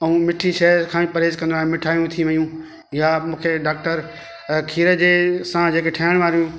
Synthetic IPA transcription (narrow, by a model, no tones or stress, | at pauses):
ɐũmɪʈʰiʃɛkʰãːĩpɐɾeːzkɐ̃nd̪oaɦemɪʈʰaːjũt̪ʰiʋɐjũ | jamũːkʰeɖaːk̚ʈəɾ | kʰiːɾəd͡ʑeːsãd͡ʑeːkeʈʰaːɪɽ̃ʋaːɾijũː